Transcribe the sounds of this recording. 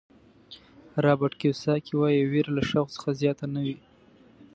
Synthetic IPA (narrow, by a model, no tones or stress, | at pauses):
ɾɑbaʈkewsɑkiwɑjiweɾalaʂaɣt͡sə̥xazjɑt̪anawi